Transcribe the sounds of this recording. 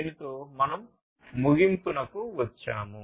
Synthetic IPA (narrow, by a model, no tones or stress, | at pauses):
nit̪oːmɐnɐmː | uɡimpunɐkuʋɐt͡ʃːaːmu